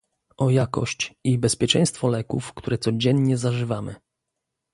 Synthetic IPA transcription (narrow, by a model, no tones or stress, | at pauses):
ʔɔjakɔ̰ɕt͡ɕibɛspʲjɛt͡ʂɛ̰j̃st̪fɔlɛkufkt̪uɾɛt̪sɔd͡ʑɛnɲɛzaʐɘvamɘ̰